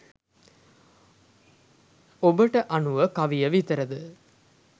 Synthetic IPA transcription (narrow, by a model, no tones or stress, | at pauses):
obɐʈɐʔɐnuʋɐkɐʋijɐʋit̪ɐɾɐd̪ɯ